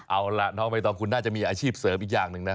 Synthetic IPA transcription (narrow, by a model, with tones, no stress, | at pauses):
ʔa˧wla˧˩nɔː˦˥ŋma˧t̪ɔː˧ŋkʰu˧nːaː˥˩t͡ɕa˨˩ʔmiː˧ʔaː˧t͡ɕʰiː˥˩p̚sɤː˩˦mʔiː˨˩k̚jaː˨˩ŋnɯ˨˩ŋna˦˥